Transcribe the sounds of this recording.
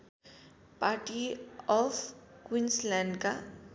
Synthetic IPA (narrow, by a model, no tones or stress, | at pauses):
paːɾʈiɔfkwĩnslɛ̃ːɳɖka